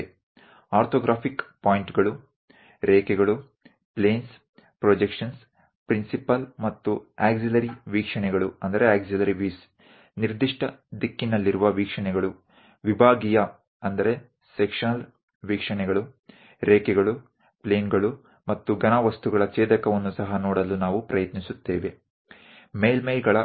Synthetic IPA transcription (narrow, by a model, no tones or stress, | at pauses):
aːɾt̪ʰoːɡɾʔaːpʰikpaːjiɳʈɡɐɭu | ɾeːkɛɡɐɭu | pleːns | pɾod͡ʒekʂɐns | pɾinsipɐlmɐt̪ːueːɡsilɐɾiʋiːkʂɐɳɛɡɐɭuɐnd̪ɐɾeaːɡsilɐɾiʋiːs | niɾd̪iʂʈɐd̪ikːinːɐlːiɾuʋɐʋiːkʂɐɳnɛɡɐɭu | ʋibʱaːɡijɐ | ɐnd̪ɐɾe̞ | sekʂɐnɐl | ʋiːkʂɐɳɛɡɐɭu | ɾeːkɛɡɐɭu | pleːnɡɐɭu | mɐt̪ːuɡɐnaʋɐst̪uɡɐɭɐt͡ʃeːd̪ɐkɐʋonːusɐɦɐnoːɽɐlːunaːʋupɾɐjɐt̪nisut̪ːeːʋe̞ | meːlmeːlɡɐɭɐ